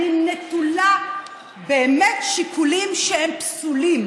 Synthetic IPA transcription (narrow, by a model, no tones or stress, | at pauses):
inet̪ula | beːmetʃikulimʃehempsulim